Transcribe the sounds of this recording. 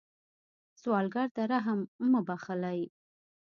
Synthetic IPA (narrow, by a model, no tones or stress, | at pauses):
swɑlɡɑɾt̪aɾaɦamməbaxɪlaj